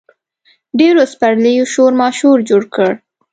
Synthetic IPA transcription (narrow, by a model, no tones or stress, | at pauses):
ɖeɾospaɽləjoʃoɾmɑʃuɾd͡ʒoɽkəɽ